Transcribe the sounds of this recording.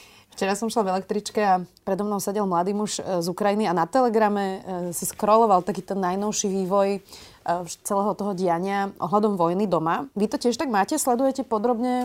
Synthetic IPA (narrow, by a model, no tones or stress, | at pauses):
ft͡ʃɛɾasɔmʃlavɛlɛk̚t̪ɾit͡ʃkɛapɾɛd̪ɔmnɔʊsɛɟɛlmlad̪iːmuʃzukɾajinianat̪ɛlɛɡɾamɛsiskɾɔlɔʋalˠt̪akiːt̪ɛnːajnɔʊʃiʋiːʋɔj | t͡sɛlɛːɦɔt̪ɔɦɔɟɪaɲɪaʔɔ̰ɦlad̪ɔmʋɔjnid̪ɔmaʋit̪ɔcɪɛʃt̪aɡmaːcɛslɛd̪ujɛcɛpɔd̪ɾɔbɲɛ